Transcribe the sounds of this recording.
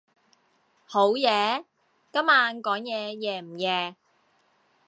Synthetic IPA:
ho˨˥wjɛː˨˧ | kɐ˥maː˨˧nkɔː˨˥ŋjɛː˨˧jɛː˨˧m̩˨˩jɛː˨˧

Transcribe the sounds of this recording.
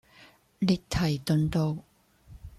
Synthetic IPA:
li˧k̚t̪ʰɐ˨˩jt̪ɵ˧nt̪o˧w

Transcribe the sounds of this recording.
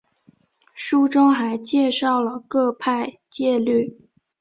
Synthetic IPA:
ʂu˥ʈ͡ʂɤ˥ŋxa˧˥ɪt͡ɕjɛ˥˧ʂɑ˥˩ʊlə˩kɤ˥˧pʰa˥˧ɪ | t͡ɕjɛ˥˧ly˥˩

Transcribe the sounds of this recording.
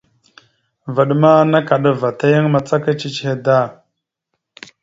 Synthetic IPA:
və˨ɗma˦na˦ka˨ɗa˦va˨ta˦ja˦ŋma˨t͡sa˦ka˦t͡ʃi˦t͡ʃhe˨da˦˨

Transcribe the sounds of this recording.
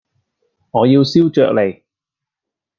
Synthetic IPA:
ŋɔː˨˧jiː˧wsiː˥wt͡ʃœ̰ː˨k̚le˨˩j

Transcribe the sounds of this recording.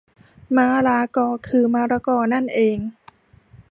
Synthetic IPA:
maː˧˥ɾaː˧˦kɔː˧˩kʰɯː˧maː˧˥ɾa˧˦kɔː˧˩na˥˩nʔeː˧ŋ

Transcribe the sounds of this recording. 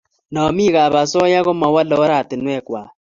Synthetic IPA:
nɔ˨mi˦ɣa˨βa˨sɔ˦ja˦ɣo˦mɔ˨wa˦lɔ˨˦ɾa˦˨te˨nwɛ˦˨kwa˨

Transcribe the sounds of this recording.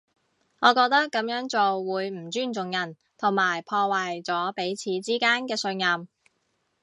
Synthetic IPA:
ŋɔː˨˧kɔː˧k̚t̪ɐ˥kːɐ˨˧˥mjœː˨˥ŋt͡so˨wwuː˨˧jm̩˨˩t͡ʃyː˥˩nt͡sʊ˨ŋjɐ˨˩n | t̪ʰʊ˨˩ŋmaː˨˩jpʰɔː˧waː˨jt͡sɔː˨˥pe˨˥jt͡sʰiː˨˧t͡siː˥kaː˥nkɛː˧sɵ˧njɐ˨m

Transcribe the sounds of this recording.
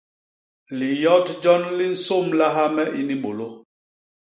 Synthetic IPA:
li˨jɔ˦td͡ʒɔ˦nli˦n̩˨˦so˦˨mla˦ɦa˦mɛ˦ʔi˦ni˦ɓo˨lo˦

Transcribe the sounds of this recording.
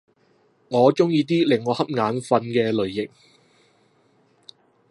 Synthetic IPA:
ŋɔː˨˧t͡ʃʊ˥ŋjiː˧t̪̬iː˥lɪ˨˩ŋːɔː˨˧hɐ˥p̚ŋaː˨˥nfɐ˧nkɛː˧lɵ˨ɥjɪ˨k̚

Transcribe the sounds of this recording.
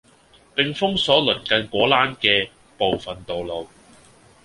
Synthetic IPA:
pɪ˨ŋfʊ˥ŋsɔː˨˥lɵ˨˩nkɐ˧nkʷɔː˨˥laː˥nkɛː˧ | po˨wfɐ˨nt̪o˨wlo˨w

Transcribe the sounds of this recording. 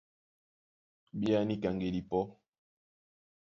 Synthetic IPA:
bi˦a˦ni˦ka˨ŋɡe˨li˨pɔ˦

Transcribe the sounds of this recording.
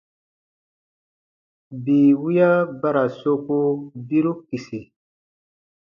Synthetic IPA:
biː˨wu˦ja˦ba˦ɾa˨so˦ko˦bi˦ɾu˦ki˨si˨

